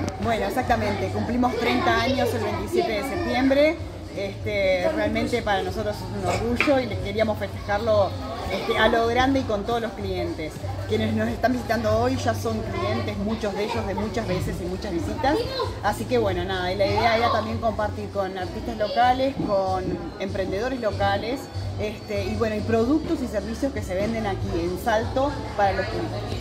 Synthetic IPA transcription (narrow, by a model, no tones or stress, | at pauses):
bwe̞noeksak̚t̪amẽnt̪e̞kumplimo̞st̪ɾejnt̪aaɲo̞se̞lβe̞jnt̪isje̞t̪e̞ðesep̚t̪je̞mbɾe̞ | est̪erealmẽnt̪e̞paɾanoso̞t̪ɾosesunoɾɣuʒo̞ileske̞ɾiamo̞sfe̞st̪e̥xaɾlo̞ | est̪ealo̞ɣɾand̪eiko̞nt̪o̞ð̞olosklie̞nt̪eskjene̞sno̞se̞st̪ambisit̪and̪oojʒaso̞ŋklie̞nt̪e̞zmut͡ʃo̞zðe̞ʒo̞zðe̞mut͡ʃazβese̞simut͡ʃazβisit̪asasike̞βwe̞no̞naðailaiðeaeɾat̪ambje̞ŋko̞mpaɾt̪iɾko̞naɾt̪ist̪azlo̞kale̞skon | e̞mpɾe̞nd̪e̞ð̞o̞ɾezlo̞kalesest̪eiβwe̞noipɾo̞ðuk̚t̪o̞siseɾβ̞isjo̞skese̞β̞e̞nd̪e̞nakiensalt̪o̞ | paɾalo̞skut̪os